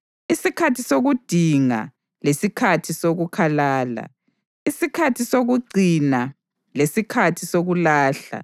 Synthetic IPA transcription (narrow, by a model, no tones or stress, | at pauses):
isikʰatʰisoɣud̥ʱiŋa̰ | lesikʰatʰisoɣukʰalaːla̰ | isikʰatʰisoɣuɡ͡ǀʱina | lesikʰatʰisoɣulaːɬa̰